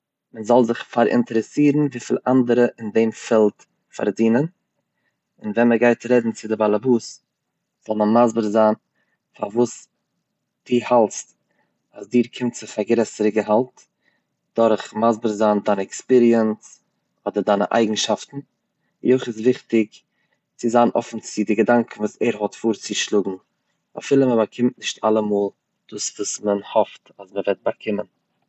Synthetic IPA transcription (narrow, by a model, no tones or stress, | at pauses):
məzɔlˠzɪχfaɾɪ̰ntəɾɛsiːɾn̩viːfḭlˠʔandəɾəʔɪndemfɛlˠt | fa̰ɾdiːnən | ɪnvɛnməɡaɪtɾɛdn̩t͡sɪdɪbalˠabuːs | z̥ɔlˠmənmazbəɾzaːn | fa̰vuːs | d̥iːhalˠst | asdiːɾkʰɪmtt͡sɪfaɡɾɛsəɾəɡəɦalˠt | d̥ɔɾχmazbəɾzaːndaɪnəɛkspiɾiəns | ɔdəɾdaɪnəʔa̰ɪɡŋ̩ʃaftn̩ | joɪχɪs̬vɪχtɪk | t͡sɪzaːnʔɔ̰fn̩t͡sɪdɪɡədaŋkn̩vuːsɛɾɦɔtfuːɾt͡sɪʃlˠuɡŋ̩ | a̰fiːlˠəməbakʰɪmtnɪʃtʰa̰lˠəmoːlˠ | d̥uːsvuːsmənhɔftasməvɛt̚bakʰɪmən